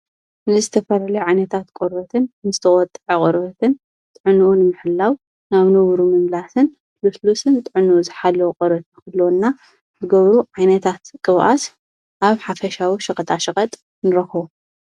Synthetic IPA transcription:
nɨzɨt̪ʰɐfɐlalɐjʕajnɐt̪ʰat̪kʼoɾbɐt̪ʰɨnnɨzɨt̪ʰɐχʼɔt̪ʼʕɐkʼɔɾbɐt̪ʰɨn | t̪ʼɨʕɨnuʔunɨmɨħɨlːaw | naβnɨβɾumɨmlasɨn | luslusɨnt̪ʼɨʕɨnuʔuzɨħalːɐwuqʼɐɾbɐt̪ʰnkɨlːnːa | zɨɡɐβɾuʕajnɐt̪ʰat̪kʼɨβʔa̰s | ʔaβħafɐʃawiʃɨkʼɐt̪ʼaʃɨkʼɐt̪ʼ | nɨɾɐxβu

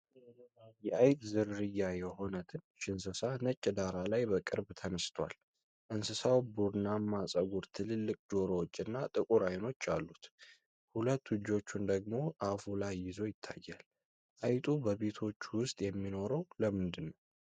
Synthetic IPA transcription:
jɛajt̪ʼzɨɾːɨjːajɛho̞nət̪ʰɨnʃɪnsɨsanət͡ʃʼːɪd̪aɾalajbəkʼɨɾbt̪ʰənəst̪ʰwa̰l | ʔɨnsɨsawbuɾnːamːasʼəɡuɾt̪ʰɨlɨlːɨkʼd͡ʒo̞ɾowot͡ʃʼːɨnːat̪ʼɨkʼuɾajno̞t͡ʃːalːut̪ | hulət̪ːwɨd͡ʒo̞t͡ʃːund̪əɡ̚mo̞ʔafulajɪzo̞jɪt̪ʰːa̰jːal | ʔajt̪ʼubəβe̞t̪ʰo̞t͡ʃːwʊst̪ʼjɛmːino̞ɾəwləmɨnd̪ɨnːəw

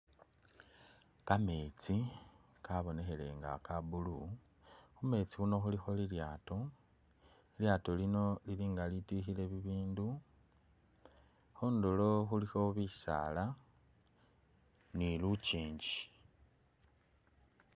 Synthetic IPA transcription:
kame̞t͡si | kaβo̞ne̞xe̞le̞ŋɡa̰kabulu | xume̞t͡sixuno̞xulixo̞liljaːto̞ | iljato̞lino̞liliːŋɡalitixile̞βiβiːndu | xuːndolo̞xulixo̞βisa̰la | nilut͡ʃiːɲɟi

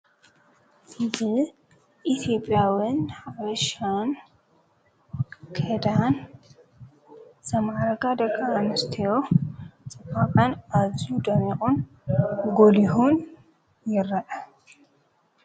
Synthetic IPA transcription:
bɨ | ʔit̪ʰjopʼːjawɪnħawɐʃan | kʰed̪an | sɐmaɾɐɡad̪ɐkʼːaːnɐst̪ʰijot͡sʼɨbakʼanazud̪ɐmikʼʊn | ɡoliɦun | jɪɾɐʔɐ

